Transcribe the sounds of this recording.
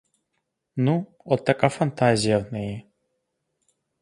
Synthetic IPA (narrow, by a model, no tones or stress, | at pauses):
nu | ɔt̪ːakafɐnt̪azʲijavnɛjɛ